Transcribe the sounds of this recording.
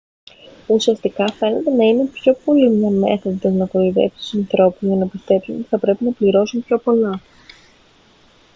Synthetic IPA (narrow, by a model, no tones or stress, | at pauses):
usiɐst̪ikɐfe̞ne̞t̪e̞nɐine̞pço̞po̞limɲɐme̞̰θod̪ɐznɐkɾoiðe̞̰psi̥t̪u̥sɐnθɾo̞puzʝɐnɐpist̪e̞psuno̞t̪iθɐpɾe̞pinɐpliɾo̞sumpço̞po̞lɐ